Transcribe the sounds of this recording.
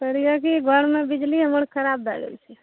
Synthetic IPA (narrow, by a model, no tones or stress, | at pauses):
pəɾijakiɡʱəɽmebid͡ʒliɦəməɽkʰəɾab̚d̪aɡḛlt͡ʃʰɛ